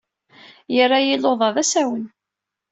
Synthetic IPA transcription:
jərːajiloðˤɑðæsæwən

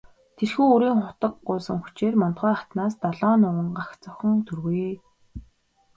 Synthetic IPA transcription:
t̪ʰerxuːoɾiːŋχʊt̪ə̆kɢʊːsə̆ŋxu̥t͡ɕeːrmɔn̥t̪χœːχḁt̪naːst̪aɮɔːnʊə̆ɴɢaxt͡sɔxɞ̆ŋt̪ʰɵrɣujː

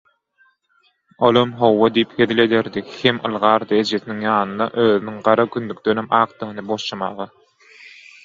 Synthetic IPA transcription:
olˠomɦo̞wːɑd̪ijipxeðile̞d̪eɾd̪ihemɯ̰lˠʁɑːɾd̪ɯed͡ʒeθiniŋjɑːnɯnd̪ɑ̰ʔøːðynyŋɢɑɾɑkynd̪yk̚t̪ønemʔɑːq̚d̪ɯʁɯnɯboʃʃɑmɑ̰ːʁɑ

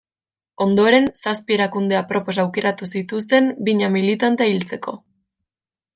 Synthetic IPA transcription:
o̞nd̪oɾe̞nsaspie̞ɾakund̪e̞apɾo̞po̞s̬awke̞ɾat̪usit̪ust̪e̞mbiɲamilit̪ant̪eailt͡se̞ko̞

